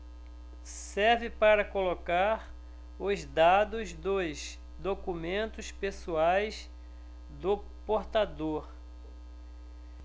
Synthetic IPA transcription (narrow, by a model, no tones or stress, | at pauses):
sɛɾvɪpaɾɐkolokaɾ | ʊzd̪ad̪ʊzd̪ʊz | d̪okumẽnt̪ʊspesuajs | d̪ʊ | poɾt̪ad̪oɾ